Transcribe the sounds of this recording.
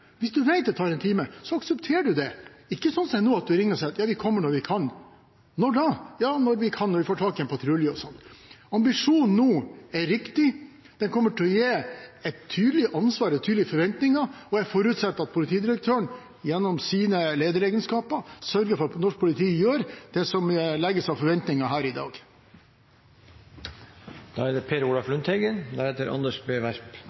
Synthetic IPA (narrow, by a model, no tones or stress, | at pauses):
ʋɪsd̪ʉʋæɪd̪ɛt̪ʰɑːɾɛnt̪ʰiːməsɔɑksɛpt̪ʰeːɖʉd̪ɛɪkːəsɔnsɔɛnuːɑt̪̚d̪ʉɾɪŋːəɾsɛɪɑt̪jɑːʋɪkʰɔmːəɳɔɾʋɪkʰɑnː | ɔɖɑjɑːnɔɾʋɪkʰɑnːɔɾʋɪfoːʈʰɑːkɪɛnpʰɑt̪ʰɾʉljəɔsɔnt̪ɑmbɪʂuːnnuːæɾɪkt̪ɪ | d̪̥ɛnkʰɔmːəʈʰɔjeːɛt̪ʰːyːd̪lɪʔɑnsʋɑːɾɛt̪ʰyːd̪lɪəfɔɾʋɛnt̪nɪŋɑɔæfɔɾʉːt̪sɛt̪ːɑt̪̚pʰʊlɪt̪ʰiːd̪ɪɾək̚t̪ʰøːəɳ | jɛnːɔmsiːnəleːd̪əɾeːɡənskɑːpəsœɾɡəfɔɾɑtnɔʂk̚pʰʊlɪt̪ʰiːjøːɾd̪̥ɛsɔmlɛɡːəsɑʋfɔɾʋɛnt̪nɪŋɑɦæːɾɪd̪ɑ̰ːɡ | d̪̥ɑːɛd̪ɛpʰeːɾuːlɑflʉnt̪ʰhɛɡənd̪æɾheːt̪əɾʔɑ̰nd̪əʂbeːʋæɾp